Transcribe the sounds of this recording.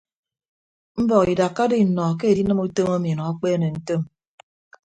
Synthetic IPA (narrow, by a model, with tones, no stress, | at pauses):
m̩˦bɔ˨ki˨da˨kːa˦di˦˨nɔ˨k̬e˦e˨di˦nɨ˦mu˦to˦ma˦mi˨nɔ˨a˦k͡peː˦ne˨n̩˦to˦m